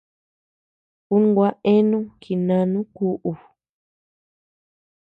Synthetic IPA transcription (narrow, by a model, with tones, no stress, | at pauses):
u˦ŋ˦ɡwa˦ʔe˦nũ˦ki˨nã˧nũ˦ku˧˦ʔu˨